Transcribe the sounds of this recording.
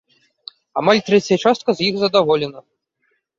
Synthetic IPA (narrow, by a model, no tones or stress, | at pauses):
a̰malʲt̪ɾɛt͡sʲjɐt͡ʂast̪̚kɐzjixzɐd̪avɔlʲɛnɐ